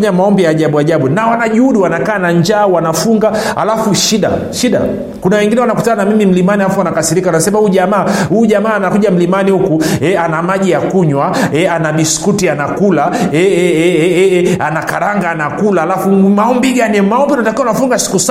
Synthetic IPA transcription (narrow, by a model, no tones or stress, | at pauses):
ɲamaɔmbijaːʄaɓuaʄaɓunawanaʄuuɗiwanakaːnaɲd͡ʒaːwanafuŋɡaa̰lafuʃiɗa̰ | ʃiɗa̰ | kunawɛŋɡinɛwanakutananamimim̩limanihalafuanakasiɾikawanasɛmahuʄamaːhuːʄamaːnakuʄam̩limanihukuɛanamaʄijakuɲwaɛanaɓiskutianakulaɛɛɛɛɛanakaɾaŋɡaːnakulahalafumaɔmbiɡanimaɔmbiunatakiwawanafuŋɡasi̥kus